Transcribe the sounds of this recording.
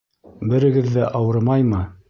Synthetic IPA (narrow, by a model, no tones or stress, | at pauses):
bɘ̆ɾɘ̆ɡɘðːæʔɑwɤɾmɑjmɤ